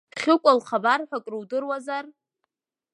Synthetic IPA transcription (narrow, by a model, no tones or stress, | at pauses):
χʲɪkʷʼalχabarħʷakʼrɨwdɨrwazar